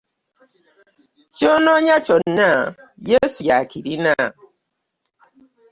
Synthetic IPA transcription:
t͡ʃɔnɔɲat͡ʃɔnnajesujakiɾina

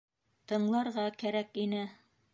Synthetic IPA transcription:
t̪ɤ̆ɴlˠɑɾʁɑkæɾækinɘ

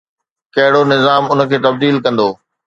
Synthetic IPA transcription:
kɐɦɪɽonɪzaːmʊnə̆kʰeːt̪ɐb̚d̪iːlkɐ̃nd̪oː

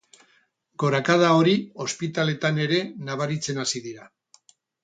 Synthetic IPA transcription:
ɡo̞ɾakað̞ao̞ɾio̞spit̪ale̞t̪ane̞ɾe̞naβ̞aɾit͡se̞nasiðiɾa

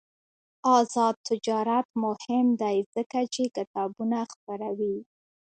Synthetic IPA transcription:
ɑzɑd̪̚t̪ɪd͡ʒɑɾat̪mʊhɪmd̪ajz̥əkat͡ʃekɪt̪ɑbunaxpəɾawi

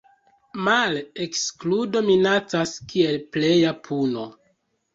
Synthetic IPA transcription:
malekskludo̞minat͡saskie̞lple̞japʰuno̞

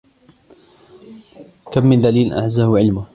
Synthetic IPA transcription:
kamːɪnd̪aliːlʔa̰ʕzahʊʕɪlmʊ

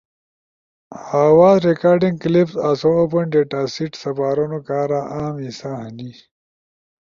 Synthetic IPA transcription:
haːwaːzɾekaːɾɖĩŋɡklipsaːsooːpɐɳɖeʈaːsiʈsɐpaːɾonokaːɾaʔaːmisaɦɐni

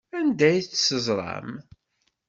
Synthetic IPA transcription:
ænd̪æjt͡sːsəzˤɾˤɑ̰m

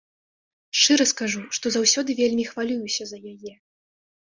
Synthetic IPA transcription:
ʂt͡ʂɨɾɐskaʐuʂt̪ɔzawsʲɔd̪ɨvʲelʲmʲixvalʲujusʲɐzɐjajɛ

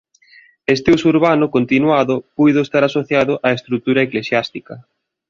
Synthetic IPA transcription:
est̪euwsuɾβanʊkont̪inwaðʊpujðʊest̪aɾasoθjaðʊʔaest̪ɾut̪uɾɐeklesjast̪ikɐ

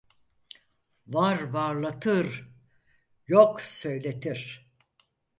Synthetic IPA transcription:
vaɾvaɾlˠat̪ʰɯɾ | joksø̞jlʲe̞t̪ʰiɾ̥

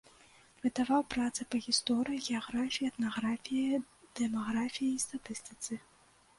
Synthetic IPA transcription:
vɨt̪avawpɾat̪sɨpɐɣʲist̪ɔɾɨjiɣʲɛaɣɾafʲijiɐt̪naɣɾafʲijɐ | d̪̥ɛmaɣɾafʲijɐist̪at̪ɨst̪ɨ̥t̪sɨ

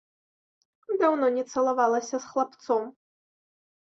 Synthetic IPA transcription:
d̪awnɔnʲɛt̪sɐlˠavalˠɐsʲɐsxlˠapt̪sɔm

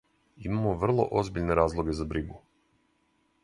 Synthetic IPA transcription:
imamoʋr̩lˠo̞̰ʔozbiʎne̞ɾaːzlˠoɡe̞zabɾiɡu

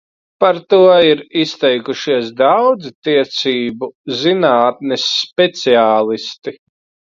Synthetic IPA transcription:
paɾt̪uɔiɾist̪ɛjkuʃiɛsd̪awd̪zit̪iɛt̪siːbuzinaːt̪̚nɛsːpʲɛt̪siaːlˠist̪i

